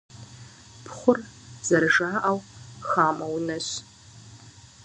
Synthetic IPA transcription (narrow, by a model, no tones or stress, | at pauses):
pʰχʷʊrz̥ɐrʒaːʔɐwxaːmɐwnɐɕ